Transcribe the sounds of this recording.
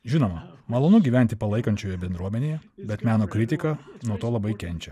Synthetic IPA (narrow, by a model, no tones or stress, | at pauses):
ʒʲɪnoːmɐmɐlˠoːnʊɡʲiːʋʲæˑnʲt̪ʲɪpɐlˠɐɪkɐnʲt͡ʃʲoːjɛbʲɛnd̪ɾuɔmʲɛnʲeːjɛbʲɛt̪mʲæːnoːkɾʲɪt̪ʲɪkɐnuɔt̪oːlˠɐbɐɪkʲɛnʲt͡ʃʲɛ